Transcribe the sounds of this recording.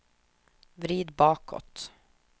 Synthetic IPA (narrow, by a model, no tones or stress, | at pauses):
vɾiːd̪bɑːkɔ̰t̪